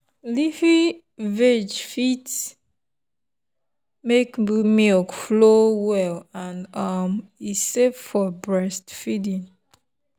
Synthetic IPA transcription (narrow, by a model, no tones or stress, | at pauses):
lifi | vɛd͡ʒfit | mekmilkflowɛlãnʌmisevfɔbɹɛstfidĩn